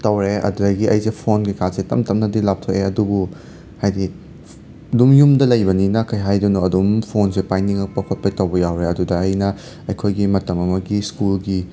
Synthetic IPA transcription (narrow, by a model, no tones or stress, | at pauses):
tɐwɾeɐ̰dudɐjɡiɐjzepʰonɡikʰazetɐmtɐmnɐdilap̚tʰoʔeɐdubu | hajdi | dumjumdɐlɐjbɐninɐkʰɐjɦajdunuɐdumpʰonsepajniŋɐk̚pɐkʰɐt̚pɐtɐwbɐjawɾeɐdudɐːjnɐ | ɐjkʰojɡimɐtɐmɐmɐɡiskulɡi